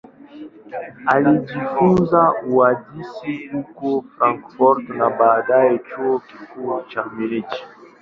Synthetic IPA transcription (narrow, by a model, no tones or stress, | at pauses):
alidifunzauadisilukofɾãŋkfɔɾtnabadajet͡ʃokifut͡ʃamelet͡ʃi̥